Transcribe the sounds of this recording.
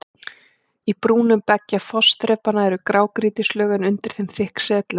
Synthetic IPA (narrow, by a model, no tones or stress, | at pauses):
ipɾuːnʏmpɛcːafɔst̪ɾɛːpanaɛɾʏkɾaːwkɾiːt̪ɪslœːɣɪnʏnt̪ɪɾ̥θɪmθɪhksɛːt̪la